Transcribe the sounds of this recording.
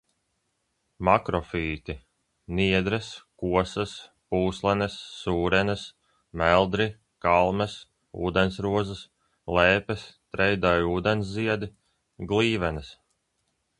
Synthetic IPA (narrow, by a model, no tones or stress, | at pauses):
makɾɔfiːt̪i | nʲiɛd̪ɾɨskuɔsɐspuːslˠɛnɛsːuːɾɛnɨs | mælˠd̪ɾi | kalˠmɛs | ṵːd̪ensɾuɔzɨs | lɛːpɛst̪ɾɛjd̪ajuːd̪ensziɛd̪i | ɡlˠiːvɛnəs